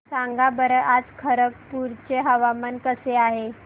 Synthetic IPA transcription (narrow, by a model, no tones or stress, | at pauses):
saŋɡabəɾəʔad͡zkʰəɾək̚puɾt͡ɕeɦəʋamənkəseaɦe